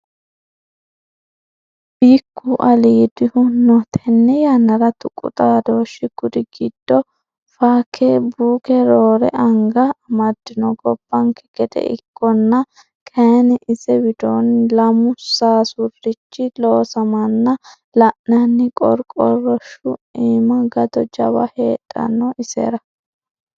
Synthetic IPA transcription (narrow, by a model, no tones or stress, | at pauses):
b̥iːkʰːuʔɐliːd̪ɪhʊnɔt̪ʰɛnːɛjɐnɐɾɐt̪ʊkʼːʊ̰t̪ʼaːd̪oːʃːɪɡ̥ʊd̪ɪɡɪd̪̥ːɔ | faːkʰeːbuːkɛɾoːɾɛ̰ɐŋɡɐːmɐd̪ːɪnɔɡɔb̥ːɐŋkʰɛ̥ɡ̥ɛd̪ɛ̰ʔɪ̰kʰːɔnːɐ | kʰɐnɛʔɪsɛwɪd̪oːnlɐmʊsaːsʊrːɪt͡ʃːɪloːsɐmɐnːɐ | lɐʔnɐnːɪkʼɔɾkʼɔrɔʃʊiːmɐɡɐd̪ɔd͡ʒɐwɐ̰heːtʼːɐ̰nːɔʔɪsḛːɾɐ